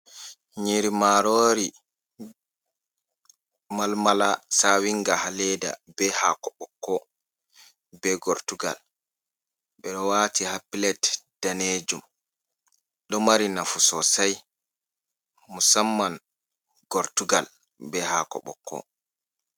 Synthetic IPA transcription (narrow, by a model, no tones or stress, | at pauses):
ɲiɾimaɾoːɾi | malmalasawiŋɡahalɛda̰bɛhakɔɓɔkʰːɔ | bɛɡɔɾtuɡa̰l | ɓɛɗɔwaːtihapːilɛtd̥aned͡ʒum | ɗɔmaɾinafusɔsaj | musamːan | ɡ̥ɔɾtuɡal | bɛhakɔ̰ɓɔ̰kʰːɔ̰